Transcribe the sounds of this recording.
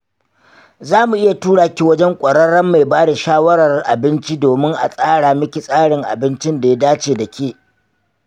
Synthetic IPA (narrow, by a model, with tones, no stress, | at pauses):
zaː˦mu˨ʔɪ˦ja˨tuː˦ɽaː˨kʲi˦wɐ˦d͡ʒɛ˦ŋkʷʼɐ˨ɽɐ˦ɽɐ˦mːa˨jbaː˦da˨ʃaː˦wɐ˦ɽɐ˨rʔa̰˨bɪ˦nt͡ʃi˦doː˨mɪ˦ŋʔa̰˨sʼaː˦ɽaː˨mɪ˦kʲi˨sʼaː˦ɽɪ˨ŋʔa̰˨bɪ˦nt͡ʃɪ˦nda˨ja˦daː˦t͡ʃeː˨da˨kʲʰeː˦˨